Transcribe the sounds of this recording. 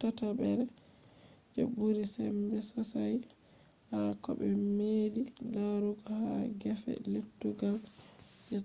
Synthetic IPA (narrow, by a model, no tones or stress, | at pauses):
tatabɛɾɛ | d͡ʒɔ̰buɾisɛmbɛsɔsaj | hakɔ̰bɛmeːdilaɾuɡɔhaɡɛfɛ̰letːuɡal | d͡ʒɛ